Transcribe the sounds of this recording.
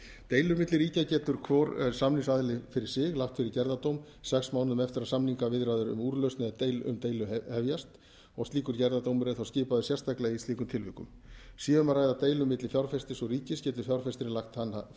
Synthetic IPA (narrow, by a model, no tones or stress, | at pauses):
t̪ejlʏɾmɪt̪lɪɾriːcacɛːt̪ʏɾ̥kʰvɔɾsamniŋsaðlɪfɪɾɪɾ̥sɪɣlaxt̪fɪɾɪɾcɛɾðat̪owm | sɛksmaːwnʏmɛft̪ɪɾaðsamniŋkavɪðɾaːjðʏɾʏ̰muːɾlœɥstnɪðt̪eːjlʏ̰mt̪eːjlʏhɛvjast̪ | ɔɣst̪liːkʏɾcɛɾðat̪owmʏɾɛθawscɪːpaðʏsjɛ̥st̪ʰajklaɣist̪iːkʏmt̪ʰɪlvʏ̰hkʏ̰m | siːʏmaɾraːjðat̪eːjlʏmɪt̪lɪfjawɾfɛst̪ɪsɔɣriːcɪscɛːt̪ʏ̥fjawɾ̥fɛst̪ɪɾlaxt̪han